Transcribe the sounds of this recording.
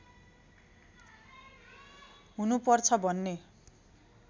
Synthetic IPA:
ɦunupʌrt͡sʰʌbʱʌnːe

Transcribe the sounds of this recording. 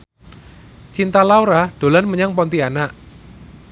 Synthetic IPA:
t͡ʃint̪alauɾaɖ̥o̤lanməɲaŋpɔnt̪ianaʔ

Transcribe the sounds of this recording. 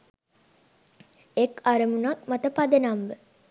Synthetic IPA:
ekaɾəmunak̚mat̪əpad̪enamʋə

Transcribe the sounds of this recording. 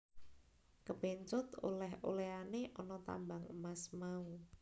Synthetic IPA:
kəpeɲt͡ʃʊt̪o̰lɛɦo̰leaneʔɔnɔt̪a̰mbaŋəmasmau

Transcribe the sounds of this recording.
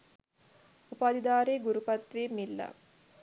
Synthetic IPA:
upaːd̪id̪aːɾeːɡuɾupɐt̪ʋeːmilːɐ̰

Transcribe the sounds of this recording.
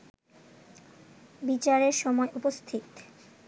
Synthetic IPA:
bit͡ɕaɾeɾʃɔmɔeʔupost̪ʰit̪

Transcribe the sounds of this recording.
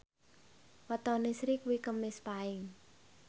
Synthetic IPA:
wɔt̪ɔnisɾikuwikəmːɪspaɪŋ

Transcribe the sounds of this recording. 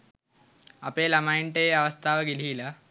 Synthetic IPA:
ɐpeːlɐmaiɳʈejɐʋɐst̪ʰaːʋɐɡilila

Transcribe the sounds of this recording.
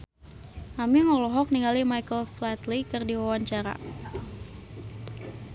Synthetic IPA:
ʔamiŋɔlɔɦɔk̚niŋalimajkəlflat̪likərdiwawaɲt͡ʃaɾa̰

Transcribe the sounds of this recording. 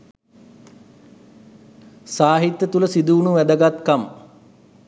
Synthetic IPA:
saːɦit̪ːət̪uləsid̪uːnuʋæd̪əɡat̪kam

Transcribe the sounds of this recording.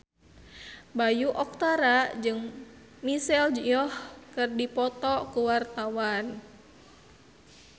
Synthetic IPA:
bajuʔɔk̚t̪aɾad͡ʒɨŋ | misɛld͡ʒiɔhkɨrdipɔt̪ɔkuwart̪awan

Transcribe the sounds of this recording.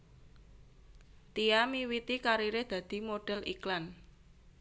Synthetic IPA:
t̪iamiwit̪ikaɾiɾɪhd̪̥ä̤d̪̥i̤moɖ̥ɛ̤lʔiklan

